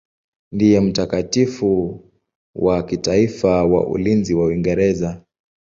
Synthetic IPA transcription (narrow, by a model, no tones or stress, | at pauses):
ndijɛm̩takatifu | wakitaifawa̰ʔṵlinziwawiŋɡɛɾɛza